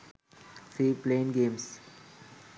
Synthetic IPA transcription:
siːplẽːnɡẽːms

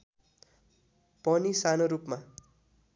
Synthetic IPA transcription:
pʌnisanoɾupma

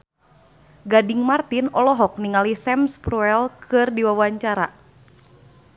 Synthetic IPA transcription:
ɡadɪŋmart̪inɔlɔɦɔk̚niŋalisɛmspɾuɛlkʰɨrdiwawaɲt͡ʃaɾa̰

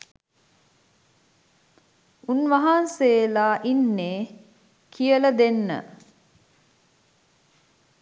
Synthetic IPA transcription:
unʋaɦanseːlaːʔinːeː | kʰijələd̪enːə̰

